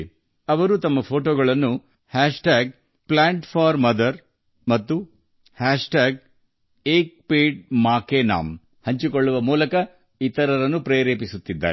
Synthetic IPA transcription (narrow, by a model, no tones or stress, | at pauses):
ɐʋɐɾut̪ɐmːɐpʰo̞ːʈoːɡɐɭɐnːu | haːʂʈaːɡ̚ | pɭaːɳʈpʰaːɾmɐd̪ɐɾ | mɐt̪ːu | haːʂʈaːɡ̚ | eːk̚peːɖmaːkeːna̰ːm | hɐɲt͡ʃikoɭːuʋɐmuːlɐkɐ | it̪ɐɾɐɾɐnːupɾeːɾeːpisut̪ːid̪ːa̰ːɾ